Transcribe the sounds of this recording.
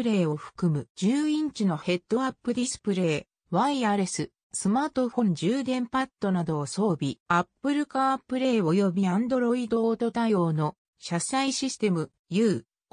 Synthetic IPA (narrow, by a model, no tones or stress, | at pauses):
ɯɾe̞ːo̞ɸɯ̥kɯ̟mɯ̟d͡ʑɨːĩɲ̟t͡ɕino̞he̞t̪ːo̞apːɯ̟ɾʲisɨ̥pɯ̟ɾe̞ː | βaiaɾe̞sɨ | sɨmaːt̪o̞ɸõ̞ɲ̟d͡ʑɨːd̪ẽ̞mpat̪ːo̞nad̪o̞ːso̞ːbʲiapːɯ̟ɾɯ̟kaːpːɯ̟ɾe̞ːo̞jo̞bʲiãnd̪o̞ɾo̞id̪o̞t̪o̞t̪ajo̞ːno̞ | ɕasaiɕisɨ̥t̪e̞mɯ̟ | jɯ̟ː